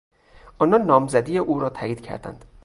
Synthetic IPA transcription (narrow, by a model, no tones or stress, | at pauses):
ʔɒːnɒnːɒːmzæd̪iːjeʔuːɾɒːt̪ʰæjiːd̪cʰæ̰ɾd̪æ̰nd̪̥